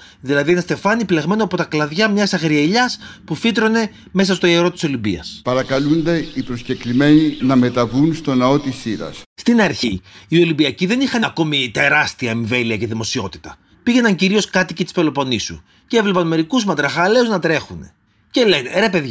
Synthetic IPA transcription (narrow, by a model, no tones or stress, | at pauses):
ðilɐðienest̪e̞fɐnipileɣme̞noɐpo̞t̪ɐklɐðʝɐmɲɐsɐɣɾiɐʎɐspufit̪ɾo̞ne̞ | me̞s̬ɐst̪o̞ieɾo̞t̪i̥so̞libḭɐ̰spɐɾɐkɐlund̪e̞ipɾosceklime̞ninɐme̞t̪ɐvunst̪o̞nɐo̞t̪isiɾɐ̰sst̪inɐɾçiːo̞libiɐciðe̞nixɐnko̞mit̪e̞ɾɐst̪iɐeɱve̞liɐce̞ðimo̞sio̞t̪i̥t̪ɐ | piʝe̞nɐɲciɾio̞skɐt̪icit̪i̥spelo̞po̞nisṵ | ceevle̞pɐnme̞ɾikuzmɐt̪ɾɐxɐle̞uznɐt̪ɾe̞xune̞̰ | ce̞le̞neɾe̞pe̞ðʝɐ